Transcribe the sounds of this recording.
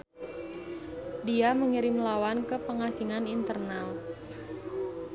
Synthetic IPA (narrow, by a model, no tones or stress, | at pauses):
diaməŋiɾɪmlawankəpəŋasiŋanint̪ərnal